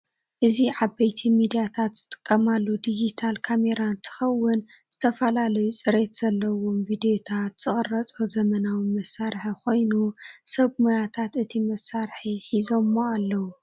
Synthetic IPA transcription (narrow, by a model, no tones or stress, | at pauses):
ʔɨziʕabejt̪ʰimid̪ijat̪ʰat̪z̥ɨt̪ʼɨ̥kʼːɐmalːud̪id͡ʒit̪ʰalkʰame̞ɾant̪ʰɨ̥xɐwːʊn | z̥ɨt̪ʰɐfɐlalɐjut͡sʼɨɾe̞t̪z̥ɐlːɐwomvid̪ejot̪ʰat̪z̥ɨχʼɨrːɐt͡sʼozɐmɐnawimɐsaɾħiko̞jnusɐβmojat̪ʰat̪ɨt̪ʰimɐsːaɾħiħizo̞mːoalːɐwu